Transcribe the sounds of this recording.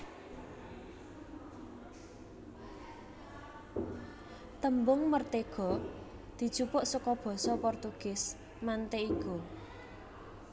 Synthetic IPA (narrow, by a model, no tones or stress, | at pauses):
t̪əmbʊŋmərt̪eɡ̥ɔ̤ | d̪̥i̤̥t͡ʃupʊʔsukɔb̥ɔ̤sɔpɔrt̪uɡ̥ɪ̤s | mant̪eiku